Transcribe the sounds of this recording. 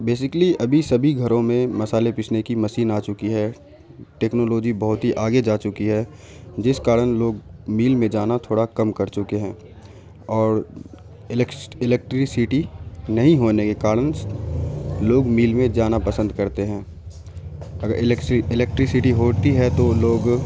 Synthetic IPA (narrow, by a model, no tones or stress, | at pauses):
beːs̬ɪkliɐbʱisɐbʱiɡʱɐɾõmẽmɐsaːlepɪt͡ʃʰnekimɐsiːnaːt͡ʃʊkiɦɛː | ʈɛːknoːloːd͡ʒibɐɦʊt̪ɦiʔaːɡed͡ʒaːt͡ʃʊkiɦɛ | d͡ʒɪskaːɾənloːɡmiːlmẽd͡ʒaːnat̪ʰoːɽakɐmkɐɾt͡ʃʊkeɦɛ̃ː | ɔːɾ | ɪlɛk̚ʈɾɪsɪʈinɐɦĩɦoːnekekaːɾəns | loːɡmiːlmẽd͡ʒaːnapɐsə̃nd̪kɐɾt̪eɦɛ̃ː | ɐɡəɾɪɪlɛk̚ʈɾɪsɪʈiɦoːt̪iɦɛt̪oloːɡ